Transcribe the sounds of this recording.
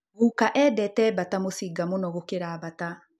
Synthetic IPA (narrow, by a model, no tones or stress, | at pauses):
ɣuːkaʔɛːdɛtɛbatamosiɡamonɔɣokeɾaβata